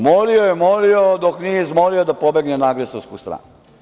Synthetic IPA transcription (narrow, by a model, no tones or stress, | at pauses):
moliojemoliod̪oknijezmoliod̪apo̞be̞ɡnenaɡɾesoskust̪ɾa̰ːnu